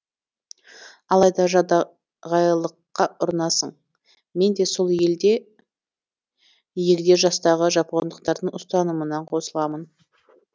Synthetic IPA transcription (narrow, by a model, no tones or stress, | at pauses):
ɑlˠɑjd̪ɑʒɑd̪ | ʁɑjlˠəqːɑʔʊɾnɑsəɴ | me̞nd̪e̞so̞lˠeld̪e | je̞ld̪e̞ʒɑst̪ɑʁəʒɑpond̪əqt̪ɑɾd̪əɴʊst̪ɑnəmənɑɴqʰo̞səlˠɑmən